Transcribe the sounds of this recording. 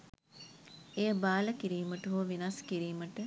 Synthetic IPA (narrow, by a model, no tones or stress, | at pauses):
ejəbaːləkiɾiːməʈəɦoʋinaskiɾiːməʈə